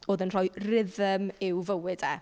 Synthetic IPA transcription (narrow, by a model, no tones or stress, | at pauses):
oːðənr̥ɔjrɪðəmɪwvəwɪdɛ